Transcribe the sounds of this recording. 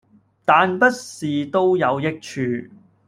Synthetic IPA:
t̪aː˨npɐ˥t̚siː˨˩t̪o˥wjɐ˨˧wjɪ˥k̚t͡ʃʰyː˨˧

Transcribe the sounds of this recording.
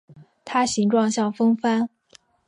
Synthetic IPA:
t̪ʰa˥ɕi˧˥ŋʈ͡ʂwɑ˥˧ŋɕjɑ˥˩ŋfɤ˥ŋfa˥n

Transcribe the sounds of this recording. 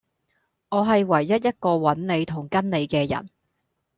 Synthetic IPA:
ŋɔː˨˧ɦɐ˨jwɐ˨˩jːɐ˥t̚jɐ˥t̚kɔː˧wɐ˨˥nne˨˧jt̪ʰʊ˨˩ŋkɐ˥nne˨˧jkɛː˧jɐ̰˨˩n

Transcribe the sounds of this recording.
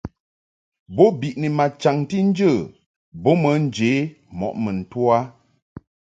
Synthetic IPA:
bo˦bi˨ʔni˨ma˨t͡ʃa˨ŋti˦n̩˦d͡ʒə˦˨ | bo˦mə˨˦n̩˦d͡ʒe˨˦ | mɔ̰˨ʔmə˨n̩˨twa˦

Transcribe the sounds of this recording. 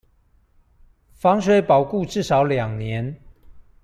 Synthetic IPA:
fɑ˦˥ŋʂwe˧˥ɪpɑ˨˩ʊku˥˨ʈ͡ʂɻ̩˥˨ʂɑ˨˥ʊljɑ˨˩ŋnjɛ˨˦n

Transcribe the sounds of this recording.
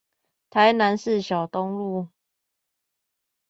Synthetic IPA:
t̪ʰa˨˦ɪna˧˦ns̩˥˨ɕjɑ˨˩ʊt̪ʊ˦ŋlu˥˨

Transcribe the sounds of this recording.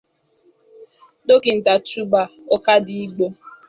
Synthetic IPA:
do˦ke˨n̩˨ta˨tɾu˦ba˨o˦ka˦di˦i˦ɡ͡bo˦

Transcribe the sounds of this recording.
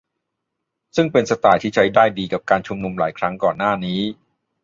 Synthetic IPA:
sɯ˥˩ŋpe˧nsa˧t̪aː˨˩jt̪ʰiː˥˩t͡ɕʰa˦˥jdaː˥˩jdiː˧ka˨˩p̚kaː˧nt͡ɕʰu˧mnu˧mlaː˩˦jkʰɾa˦˥ŋkɔː˨˩nːaː˥˩niː˦˥

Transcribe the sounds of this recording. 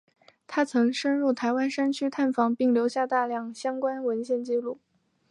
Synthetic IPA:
t̪ʰa˥t͡sʰɤ˧˥ŋʂə˥nɻu˥˩t̪ʰa˧˥ɪwa˥nʂa˥nt͡ɕʰy˥t̪ʰa˥˩nfɑ˧˥ŋpi˥˩ŋljo˧˥ʊɕja˥˧t̪a˥˧ljɑ˥˩ŋɕjɑ˥ŋkwa˥nwə˧˥nɕjɛ˥˧nt͡ɕi˥˧lu˥˩

